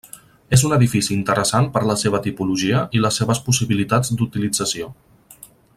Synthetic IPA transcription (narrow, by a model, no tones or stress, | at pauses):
ezunəðifisiːnt̪əɾəsanpəɾləseβ̞ət̪ipuluʒiəʔiləsːeβəspusiβilit̪ad͡zd̪ut̪ilid͡zəsio